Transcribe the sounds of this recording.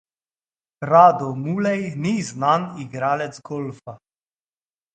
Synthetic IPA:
ɾaːd̪ɔmuːlɛjniznaniɡɾaːlɛt̪zɡɔlfa

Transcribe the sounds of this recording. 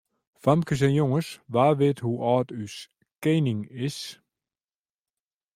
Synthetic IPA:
famkəs̬ɛnjɔŋəsʋaːʋeːthuʔɑːtys | keːnɪŋɪs

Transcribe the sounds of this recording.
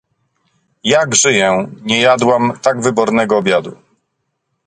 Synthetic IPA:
jaɡʐɘjɛɲɛjad̪wamt̪aɡvɘbɔɾnɛɡɔːbʲjad̪u

